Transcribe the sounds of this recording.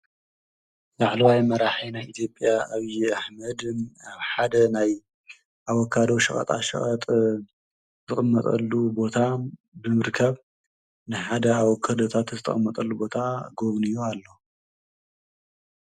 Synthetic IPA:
laʕlɐwajmɐɾaħinajit̪ʰjo̞pʼjaaβijaħmɐd̪aβħad̪ɐnaj | ʔawɔkʰːad̪o̞ʃɐχʼɐ̰t̪ʼa̰ʃɐ̰χʼɐt̪ʼ | zɨχʼɨmːɐt̪ʼɐ̰lːubo̞t̪ʰa | bɨmɨɾkʰɐβ | nɨħad̪ɐaβwɔkʰːad̪ot̪ʰat̪zɨt̪ʰʼɐ̰χʼɨmːɐt̪ʼɐlːubo̞t̪ʰaɡoβnijoalːo̞

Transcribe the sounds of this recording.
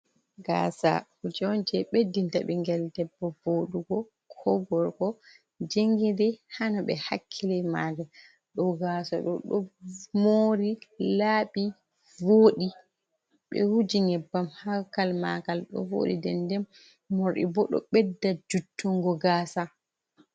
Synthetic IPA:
ɡa̰ːsa̰hud͡ʒɔnd͡ʒɛɓedːintaɓɛŋɡɛldɛbːɔvoɗuɡɔ | kʰɔɡɔɾɡɔ | d͡ʒeŋɡidɛhanɔɓɛ̰hakʰːilɛmaɡa | ɗɔɡasɔɗɔɗɔmoɾilaːɓi | voːɗi | ɓɛ̰hud͡ʒiŋɛbːamhakːalma̰kalɗɔ̰vo̰ɗḭdɛndɛmː | oɾɗḭbɔɗɔ̰ɓɛdːad͡ʒutʰːuŋɡɔɡasa

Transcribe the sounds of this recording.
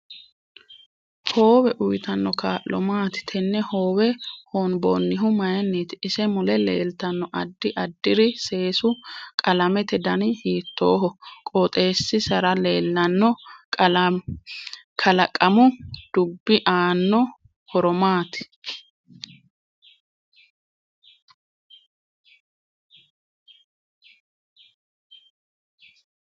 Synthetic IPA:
ho̞ːwɛʔʊjt̪ɐnːɔkaːʔlːɔmaːt̪ɪ̥t̪ʰɛnːɛhoːwɛhonboːnːɪɦʊmɐjɐnːiːt̪ɪɪsɛmʊlɛlḛːlt̪ɐnːɔʔɐd̪ːɪʔɐd̪ːɪɾɪse̞ːsʊkʼɐlɐmɛt̪ɛd̪ɐnɪhiːt̪ːoːɦɔkʼɔt̪ʼe̞ːsːɪsɐɾɐleːlːɐnːɔ | kʰɐlɐkʼːɐmʊd̪̥ʊbːɪʔaːnːɔ | hɔɾɔmaːt̪ɪ̥

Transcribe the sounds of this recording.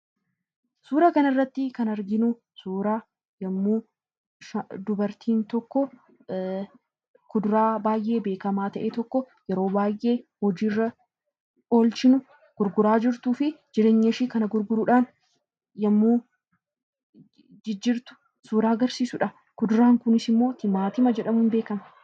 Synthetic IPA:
suːɾaːkɐnɐɪrːɐt̪ːɪkɐnɐɾɡɪnʊ | suːɾaː | jɐmːuː | ʃɐd̪ʊbɐɾt̪ʰiːnt̪ɔkːɔ | kʊd̪ʊɾaːbaːjʔe̞ːbe̞ːkɐmaːt̪ɐʔeːt̪ɔkːɔ | jɛɾoːbaːjʔe̞ːhɔd͡ʒiːrːɐ | o̞ːlt͡ʃɪnʊ | ɡ̥ʊɾɡʊɾaːd͡ʒɪɾt̪uːfɪd͡ʒɪɾe̞ːɲːɐʃiːkɐnɐɡʊɾɡʊɾʊᶑaːn | jɐmːuː | d͡ʒɪd͡ʒːɪɾt̪ʊ̥ | suːɾaːɡɐɾsiːsʊᶑɐ | kʊd̪ʊɾaːŋkʊnɪsɪmːo̞ːt̪ɪmaːt̪ɪmɐd͡ʒɛᶑɐmʊnbe̞ːkɐmɐ

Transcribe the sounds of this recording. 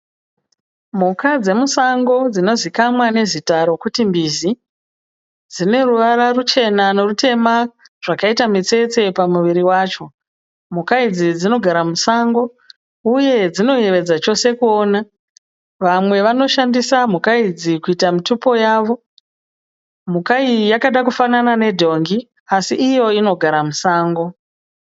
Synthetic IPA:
mukad͡ze̞musaŋɡo̞d͡zino̞zikamwane̞zitaɾo̞kutimbizi | d͡zine̞ruʋaɾarut͡ʃe̞nano̞rute̞ma | ʐ̥akaitamit͡se̞t͡se̞pamuʋiɾiwaːt͡ʃo̞ | m̤ukaid͡zid͡zino̞ɡʱaɾamusaŋɡo̞ | uje̞d͡zino̞je̞ʋe̞d͡zat͡ʃo̞se̞kuo̞ːna | ʋamwe̞ʋano̞ʃandisam̤ukaid͡zikuitamitupo̞jaːʋo̞ | mukaijakaɗakufananane̞dʱo̞ŋɡi | asiʔːjo̞ino̞ɡʱaɾamusaːŋɡo̞

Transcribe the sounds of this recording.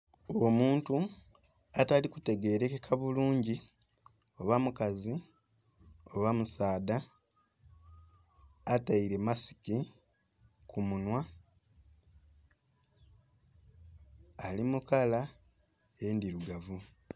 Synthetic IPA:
omuːntu | atalikute̞ɡe̞ːɾe̞kekʰaβuluːɲɟi | o̞βamukazi | o̞βamusaːda | taiɾe̞masi̥ki | kʰumunwa | limukala | endiɾuɡavu

